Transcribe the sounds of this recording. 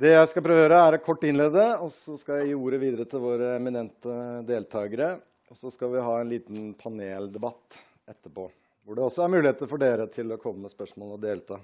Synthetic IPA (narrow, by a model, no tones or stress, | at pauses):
d̪ɛjæɪskɑpʰɾøːʋəjøːɾəæɾkʰɔʈːɪnleːd̪əɔsɔskɑjæɪjiːuːɾəʋiːd̪əɾət̪ʰɪlʋoːɾəɛmɪnɛnt̪əd̪eːlt̪ʰɑːɡəɾə | ɔsɔskɑʋɪɦɑːɛnliːt̪n̩pʰɑneːld̪ɛbɑt̪ː | ɛt̪ːəpʰo̰ː | ʋʊɖɛɔsːɔæɾmʉːɪheːt̪əɾfɔɖeːɾət̪ʰɪlɔkʰɔmːəmɛspœʂmoːlɔd̪eːlt̪ʰɑː